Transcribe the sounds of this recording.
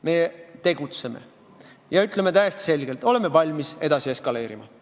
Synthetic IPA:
me̞t̪e̞ɡ̥ut̪se̞me̞̰ | jɑyt̪ˑleme̞t̪æjest̪i̥se̞lɡ̥e̞lt̪o̞le̞me̞vɑlʲmise̞d̪̥ɑsie̞skɑle̞ːɾimɑ

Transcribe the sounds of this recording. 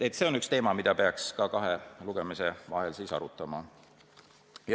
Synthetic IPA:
et̪ːˑse̞onykst̪e̞ːmɑmid̪̥ɑpe̞ɑkskɑkɑɦe̞luɡ̥e̞mise̞vɑ̰ɦe̞lsiːsɑ̰ɾut̪ːˑɑmɑ | j

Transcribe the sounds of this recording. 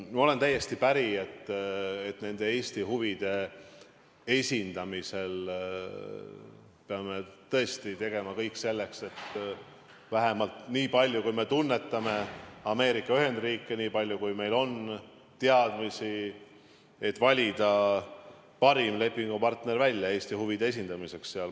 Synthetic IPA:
mo̞le̞nt̪æjːe̞st̪ipæɾiet̪ːet̪ne̞nd̪̥e̞e̞ːst̪iɦuvid̪̥e̞ | e̞sʲind̪̥ɑmise̞l | peɑme̞t̪ɤ̞e̞st̪it̪e̞ɡ̥e̞mɑkɤ̞jkse̞lːe̞kse̞t̪ː | væɦemɑlt̪niːpɑlʲjukujme̞t̪unːe̞t̪ːˑɑme̞ɑme̞ːɾikːˑɑyɦe̞nd̪riːkːˑe̞niːpɑlʲjukujme̞jlo̞n | t̪eɑd̪̥misi | et̪ːˑvɑlʲid̪̥ɑ | pɑɾimle̞pːiŋɡ̥upɑrt̪ne̞ɾvælʲːjɑe̞ːsʲt̪ihuvid̪̥ees̬ʲind̪̥ɑmise̞ksːeɑl

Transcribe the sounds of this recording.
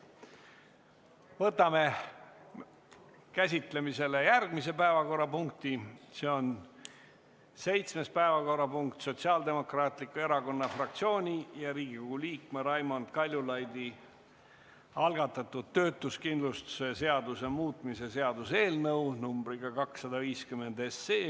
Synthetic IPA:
vɤt̪ːˑɑme̞ | kæsʲit̪le̞mise̞le̞jærɡ̥mise̞pæevɑko̞rːɑpuŋk̚t̪ise̞ːo̞n | se̞jt̪sme̞spæevɑko̞rːɑpuŋk̚t̪so̞t̪siɑːld̪e̞mo̞krɑːt̪likːue̞ɾɑko̞nːɑfrɑk̚t̪sio̞ːnʲijɑɾiːɡ̥ikoɡ̥uliːkmeɾɑjmond̪̥kɑlʲjulɑjd̪̥i | ɑlɡɑt̪ːˑɑt̪ːˑud̪̥̚t̪ːø̞ːt̪ːˑuskind̪lust̪u̥se̞se̞ɑd̪use̞muːt̪ˑmise̞se̞ɑd̪use̞ːlnɤwnumb̥ɾiɡɑkɑksːɑd̪ɑviːskymːe̞nd̪e̞sːeː

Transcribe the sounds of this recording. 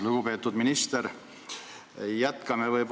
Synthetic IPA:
luɡ̥upe̞ːt̪ːud̪minist̪eɾ | jæt̪kɑmevɤjb

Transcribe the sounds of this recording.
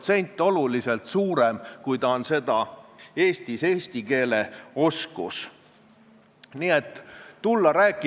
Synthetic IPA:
t̪se̞nʲt̪ːˑo̞lulise̞lt̪suːɾemkujt̪ɑonse̞d̪̥ɑe̞ːst̪ise̞ːst̪ike̞ːle̞o̞skṵs | niːe̞t̪ˑːulːɑɾæːkːˑi

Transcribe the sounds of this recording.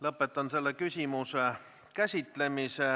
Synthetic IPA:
lɤpːˑet̪ːˑɑnse̞lːekysʲimuse | kæsʲit̪ˑle̞mise

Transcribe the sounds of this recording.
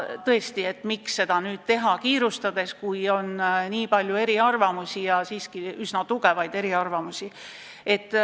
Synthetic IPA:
t̪ɤe̞st̪ie̞t̪ːmiksːe̞d̪̥ɑnyːd̪̥̚t̪e̞ɦɑkiːɾust̪ɑd̪̥e̞skujo̞nniːpɑlʲjue̞ɾiɑrvɑmusʲijɑsiːskiysnɑt̪uɡ̥e̞vɑjd̪̥e̞ɾiɑrvɑmusʲi | e̞t̪ːˑ

